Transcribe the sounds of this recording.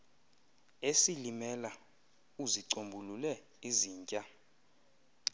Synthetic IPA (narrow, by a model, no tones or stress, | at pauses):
esilimɛla | uziǀombʱululɛ | iziːɲcʼa